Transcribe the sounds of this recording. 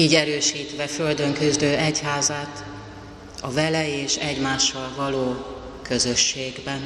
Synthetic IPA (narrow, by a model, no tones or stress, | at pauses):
iːɟɛɾøːʃiːt̪ʋɛfø̞ld̪ø̞ŋkyzd̪øːɛchaːzaːt̪ | ɒvɛlɛeːʃɛɟmaːʃːɒlvɒloː | kø̞zø̞ʃːeːɡbɛn